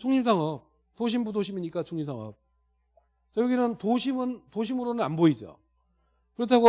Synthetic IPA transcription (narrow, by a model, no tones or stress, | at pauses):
t͡ɕʰuŋɲims̬ʰaŋʌp̚ | toɕ̬ʰimbudoɕʰimiɲik͈at͡ɕʰuŋɲimsʰaŋʌ̰p̚ | sʰʌjʌɡinɯntoɕʰimɯntoɕ̬ʰimɯɾonɯna̰nboid͡ʑo̰ | kɯɾʌtʰaɡo